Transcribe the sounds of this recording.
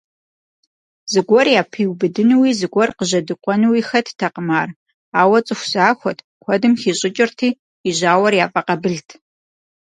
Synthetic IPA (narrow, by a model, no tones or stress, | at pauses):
zɨɡʷɔrjaːpʰiːwbɨdɨnɨwiːzɨɡʷɔrqəʑɐdɨqʷʼɔnɨwiːxɐtʰtʰɐqəmaːr | aːwɐt͡sʼɨxʷz̥aːxʷɔtʰkʷʰɔdɨmxiːɕʼɪt͡ʃʼɪrtʰiː | iʑaːwɐrjaːfʼɐqɐbɨɮtʰ